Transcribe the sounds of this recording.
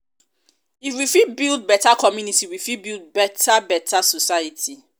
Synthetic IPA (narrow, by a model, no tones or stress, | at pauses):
iwifibild̚bɛtakʰɔmjunitiwifibild̚bɛtʰabɛtʰasɔsajətʰi